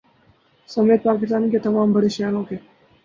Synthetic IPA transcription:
səmet̪̚pakɪst̪aːniket̪əʋambʱəɽeɕjanɦoke

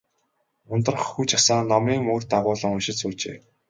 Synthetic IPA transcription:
ʊnt̪ə̆rχxuːt͡ɕasaːnːɔmiːŋmoːrt̪aʁʊːɮə̆ŋʊʃɪ̆ɮsuːt͡ɕḛː

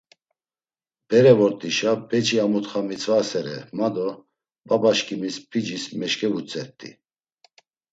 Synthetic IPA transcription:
b̥ɛɾɛvɔɾt̪ʼiʃabɛt͡ʃʰʼiamut̪χamit͡sʰʼvasɛɾɛ̰mad̪ɔ | babaʃkʰʼimispʰid͡ʒismɛʃkʰʼɛvut͡sʼɛɾt̪ʼḭ

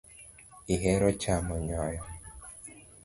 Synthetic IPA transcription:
iɦɛɾɔt͡ʃamɔɲɔjɔ

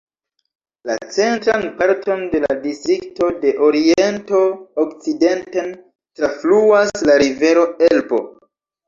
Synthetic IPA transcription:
lat͡se̞ntɾanpaɾtʰo̞nde̞la̰distɾikto̞de̞ʔo̞ɾie̞nto̞ːkt͡side̞nten | tɾafluaslaɾive̞ɾo̞elbo̞̰

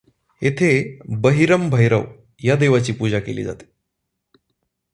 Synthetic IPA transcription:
et̪ʰebəɦiɾəmbʱəjɾəʋ | jad̪eʋat͡ɕiːpud͡ʑakelḭːd͡za̰t̪e̥

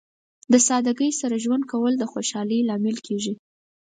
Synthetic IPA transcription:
d̪əsɑd̪aɡəjsaɾaʒwand̪̚kawəld̪əxoʃɑləjlɑmɪlkʰeʒi

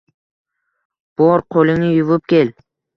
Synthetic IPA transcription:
b̥ɔɾqʰolɪŋnɪjʊvʊp̚kʲel

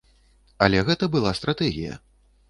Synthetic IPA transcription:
ɐlʲɛɣɛt̪ɐbɨlˠast̪ɾat̪ɛɣʲḭjɐ̰

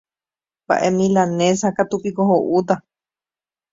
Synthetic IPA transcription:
ba̰ʔemĩlanẽshakat̪upikoɦoʔud̪a

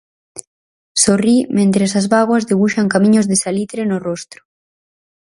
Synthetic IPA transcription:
sorimẽnt̪ɾesazβaɣwazðeβ̞uʃaŋkamĩɲozðesalit̪ɾenorost̪ɾʊ̥

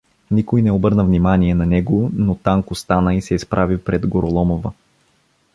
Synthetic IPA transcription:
nikojnɛobɤɾnəvnimaniɛnɐnɛɡonot̪aŋkʊst̪anəisɛispɾʔavipɾɛd̪ɡoɾolˠɔmovə

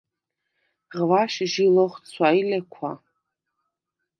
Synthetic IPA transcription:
ʁvaʃʒiloχʷt͡sʰajlʲakʷʰa

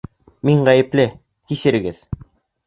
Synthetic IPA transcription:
miɴʁæjɘ̆plɘ | kisɘ̆ɾɘ̆ɡɘð

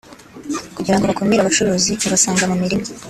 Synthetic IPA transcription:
kuɟiɾaŋɡoβakomiɾaβat͡ʃuɾoːziaβasaːŋɡamumiɾimo

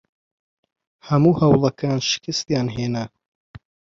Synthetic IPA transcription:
hɐmuːhɐwlˠɐkʰaːnʃɪ̥kɨst̪jaːnɦeːnɐ

